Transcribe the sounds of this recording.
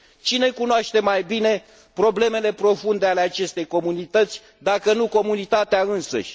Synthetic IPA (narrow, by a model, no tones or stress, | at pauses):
t͡ʃine̞kunoaʃt̪e̞majbine̞ | pɾo̞ble̞me̞le̞pɾo̞fund̪e̞ale̞at͡ʃe̞st̪e̞jko̞munit̪ət̪sʲ | d̪akənuko̞munit̪at̪eaɨnsə̰ʃʲ